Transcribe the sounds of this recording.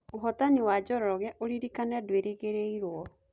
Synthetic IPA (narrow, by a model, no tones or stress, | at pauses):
oɦɔtaniwad͡ʒɔɾɔɔɣɛʔoɾiɾikanɛdweɾeɣeɾeiɾwɔ